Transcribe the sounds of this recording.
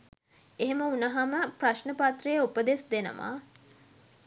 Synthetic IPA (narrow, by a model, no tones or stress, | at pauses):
eɦeməunəɦaməpraʃnəpat̪rəjəupəd̪esd̪enə̰ʋa̰